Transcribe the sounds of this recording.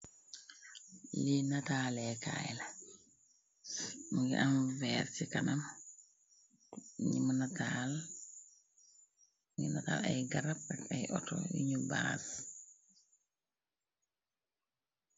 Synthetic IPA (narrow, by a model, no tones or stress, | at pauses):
linataːlɛka̰ɛ̰la | ŋɡɛ̰ʔanvɛɾsikanam | ɲimanatal | ŋɡinata̰la̰jɡaɾapːɛkajʔɔtɔ̰jḭɲubas